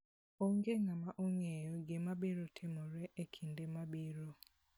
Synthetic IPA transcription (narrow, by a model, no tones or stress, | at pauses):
oŋɡeŋamaʔoŋejɔɡɪmabiɾotʰɪmɔɾɛʔekʰindemabiɾo